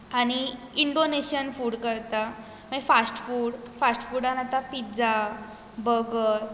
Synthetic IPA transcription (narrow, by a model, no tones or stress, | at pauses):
añi | iɳɖoneɕənfuːɽkəɾt̪a | məfasʈfuːɽfasʈfuɽanat̪apit̪d͡za | bəɡəɾ